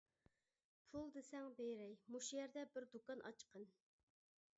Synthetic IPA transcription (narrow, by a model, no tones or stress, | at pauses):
pʰulˠd̪esɛŋbejɾɛjmuʃjɛɾd̪ɛbɪɾd̪ukɑnʔɑ̰t͡ʃqʰən